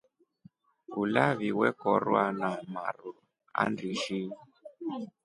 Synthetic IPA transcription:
ulaβiwɛkɔɾwanama̰ru | a̰ndiʃi

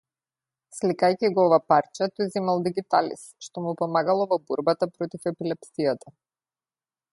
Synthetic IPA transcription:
slikajciɡɔɔvapaɾt͡ʃat̪ɔjzimalˠd̪iɡit̪alḭsʃt̪ɔmupɔmaɡalˠɔvɔbɔɾbat̪apɾɔt̪ifɛpilɛpsijat̪a

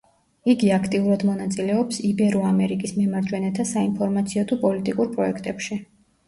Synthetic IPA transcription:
iɡiakʰt̪ʼiuɾad̪mɔnat̪sʼilɛɔpsibɛɾɔamɛɾikʼismɛmaɾd͡ʒwɛnɛt̪ʰasainpʰɔɾmat̪sʰiɔt̪ʰupʼɔlit̪ʼikʼuɾpʼɾɔɛkʰt̪ʼɛpʃi

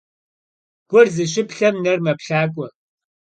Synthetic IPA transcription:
ɡ̥ʷʊrzɨɕ̬ɪpɬɐmnɐrmɐpɬaːkʷʼɔ

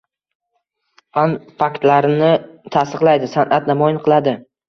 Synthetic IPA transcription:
fanfakt̪laɾɪnɪt̪ʰast̪ɨqlˠajd̪ɪsanʔat̪namɒjɪnqʰɨlˠad̪ɪ

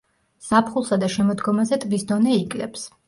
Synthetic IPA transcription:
sapʰχulˠsad̪aʃɛmɔd̪ɡɔmazɛt̪ʼvisd̪ɔnɛikʼlɛ̰ps

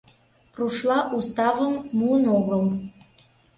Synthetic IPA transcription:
ruʃlˠɑʔust̪ɑvəmːuənoɣəl

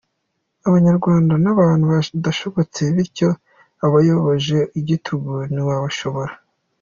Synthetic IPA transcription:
aβaɲaɾɡwaːndanaβaːnhuβadaʃoβot͡se̞βiɾco̞ | aβajo̞βoʒe̞iɟitʰuɡuniβaβaʃo̞βo̞ɾa

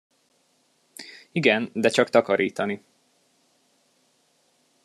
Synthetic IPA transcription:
iɡɛnd̪ɛt͡ʃɒkt̪ɒkɒɾʔiːt̪ɒni

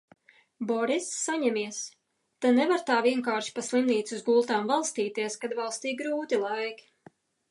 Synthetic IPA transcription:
bɔɾisːaɲɛmʲiɛs | t̪anɛvaɾt̪aːviɛŋkaːɾʃi̥paslˠimniːt̪suzɡulˠt̪aːmvalˠst̪iːt̪iɛskad̪valˠst̪iːɡɾuːt̪ilˠajk

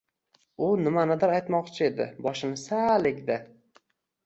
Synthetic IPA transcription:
ʊnɪmanad̪aɾajt̪mɒqt͡ʃʰɪe̞d̪ɪ̰bɒʃɪnɪsalɪkʲd̪a

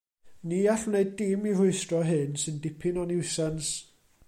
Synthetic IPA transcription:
niːaɬneɨddɪmir̥ʊɨstrɔɦɨnsɨndɪpʰɪnɔnɪwsans

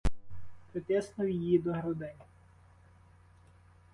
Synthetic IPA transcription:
pɾɔt̪ʲɛsnɔwjjid̪ɔɦɾɔd̪ɪnʲ

